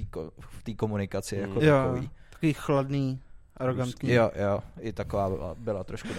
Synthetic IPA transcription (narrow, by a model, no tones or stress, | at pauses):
iko̰ft̪iːkomunɪkat͡sɪjakot̪oaovḭː | ḁkoviːxladniːʔaɾoɡant̪ɲijojoʔɪt̪akovaːbɪ̰la̰bɪlat̪ɾoʃkud